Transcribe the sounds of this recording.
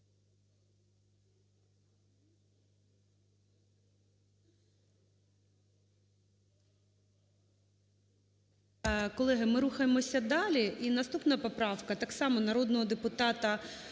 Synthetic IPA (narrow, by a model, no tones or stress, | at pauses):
kɔlˠɛɦɪmɪɾuxɐjemɔsʲɐd̪ɑlʲiʔinɐst̪upnɐpɔpɾɑwkɐt̪ɑksɑmɔnɐɾɔd̪nɔɦɔd̪epʊt̪ɑt̪ɐ